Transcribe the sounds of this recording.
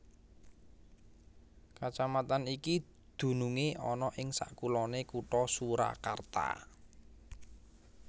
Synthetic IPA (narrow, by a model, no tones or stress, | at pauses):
kat͡ʃamat̪aniki | d̪̥ṳnuŋeʔɔnɔʔɪŋsa̰ʔkulɔnekuʈɔsuɾa̰ka̰rt̪a̰